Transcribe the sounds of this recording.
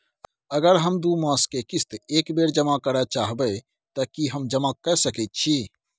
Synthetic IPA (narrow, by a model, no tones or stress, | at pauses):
əɡəɾɦəmd̪umə̃skekist̪ekbeɾd͡ʒəmakəɾɛt͡ʃaɦbə | t̪əkiɦəmd͡ʒəmakɛsəkɛt̪̚t͡ʃʰi